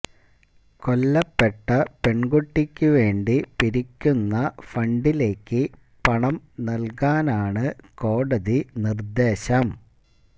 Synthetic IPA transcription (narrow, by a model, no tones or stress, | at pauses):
ko̞lːɐpːe̞ʈːɐpeɳɡuʈːikʲːuʋe̞ːɳɖipiɾikʲːunːɐfɐɳɖile̞ːkːɨ | pɐɳɐmnɐlkaːnaːɳɨko̞ːɽɐðinird̪e̞ːɕɐm